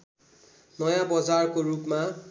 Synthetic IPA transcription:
nʌjãbʌd͡zarkorupma

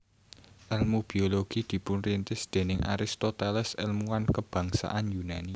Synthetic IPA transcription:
ʔɛlmub̥i̤oloɡ̥i̤d̪̥i̤pʊnrint̪ɪsd̪̥e̤nɪŋʔa̰ɾist̪ɔt̪ɛlɛsɪ̰lmuankəb̥ä̤ŋsa̰ʔanjunani

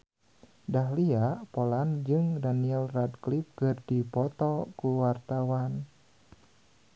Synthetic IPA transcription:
daɦliaʔpoland͡ʒɨŋdaniɛlradklip̚kɨrdipɔt̪ɔkuwart̪awan

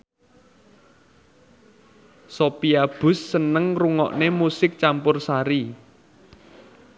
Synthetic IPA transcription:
sopiab̥ʊ̤sːənəŋruŋɔ̰ʔnemusɪk̚t͡ʃampʊrsaɾi

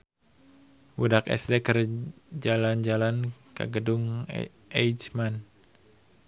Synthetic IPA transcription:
wudakɛ̰sdekərd͡ʒaland͡ʒalankə̰ɡədʊŋ | ejt͡ʃman

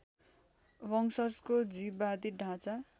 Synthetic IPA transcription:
bʌŋsʌskod͡zibad̪iɖʱãt͡sa

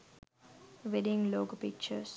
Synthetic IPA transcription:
ʋɛdɪ̃ŋloːɡəpɪk̚t͡ʃəs

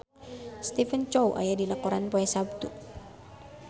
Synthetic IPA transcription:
st̪ifənt͡ʃowʔa̰jadinakɔɾanpɔɛsab̚t̪u

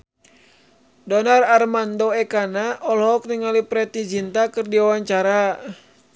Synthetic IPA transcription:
dɔnararmandɔɛkanaʔɔlɦɔk̚niŋalipɾɛt̪id͡ʒint̪akɨrdiwawaɲt͡ʃaɾa

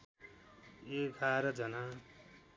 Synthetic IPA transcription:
eɡʱaɾʌd͡zʌna

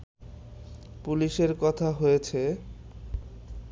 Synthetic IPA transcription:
puliʃeɾkɔt̪ʰaɦojet͡ɕʰe

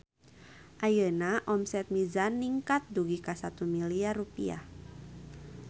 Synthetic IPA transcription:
ʔajənaʔɔmsɛt̪̚mizanːiŋkat̪̚duɡikasat̪umiliarupia̰

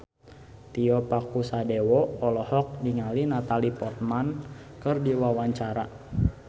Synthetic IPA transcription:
t̪iɔpakusadewɔɔlɔhɔk̚diŋalinat̪alipɔrt̪̚mankɨrdiwawaɲt͡ʃaɾa

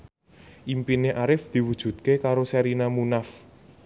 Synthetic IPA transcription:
ʔimpineʔaɾɪfd̪̥i̤wud̥ʒ̥ṳdt̪̚kekaɾosɛɾinamunaf

